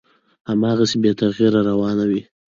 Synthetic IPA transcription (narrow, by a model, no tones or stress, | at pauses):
hamɑːɣasebet̪aɣiɾaɾawɑnawi